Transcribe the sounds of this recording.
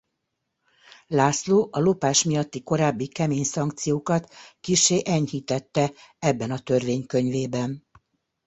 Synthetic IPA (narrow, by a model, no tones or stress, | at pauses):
laːsloːʔɒlo̞paːʃmijɒt̪ːiko̞ɾaːbːikɛmeːɲsɒŋkt̪sijoːkɒt̪kiʃːeːʔɛɲhiːt̪ɛt̪ːɛɛbːɛnɒt̪ørveːɲkø̞ɲveːbɛn